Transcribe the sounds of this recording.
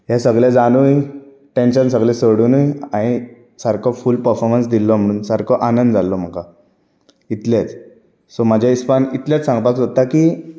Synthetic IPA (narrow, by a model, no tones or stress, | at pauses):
ɦɛsəɡɭed͡zaɽ̃uj | ʈenɕəns̬əɡlɛsəɽunujaɽ̃i | saɾkʰɔfulpəɾfɔɾmənsd̪ilːɔm̤əɽ̃uːnsaɾkʰɔʔanənd̪d͡zalːɔm̤əka | it̪let͡s | sɔmad͡ʑʱjaispanit̪ljet͡ssãŋɡpaksət̪akiː